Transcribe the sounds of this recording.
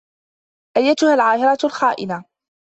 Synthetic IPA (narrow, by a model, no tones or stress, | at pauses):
ʔajːat̪ʊhalʕaːhɪɾˤɑt̪lxaːʔɪna